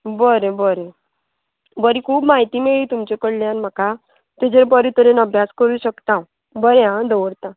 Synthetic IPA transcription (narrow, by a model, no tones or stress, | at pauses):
bəɾẽbəɾẽ | bəɾikʰuːpmaɦit̪iːmeɭiːt̪umt͡ɕekəɽljanm̤aka | t̪ed͡ʑeɾbəɾit̪əɾenəbʱjaskəɾuːɕəkt̪ã | bəɾeɦãd̪əwəɽt̪ã